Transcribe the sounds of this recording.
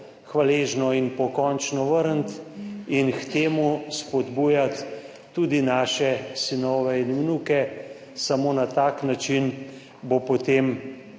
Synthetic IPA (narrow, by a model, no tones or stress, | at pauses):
xʋaleːʒnɔinpɔkɔnt͡ʃnɔʋəɾnt̪inxt̪eːmuspɔd̪buːjat̪ː | uːd̪inaːʃɛsinɔʋɛinmnuːkɛ | samoːnat̪aːknat͡ʃin | bopot̪em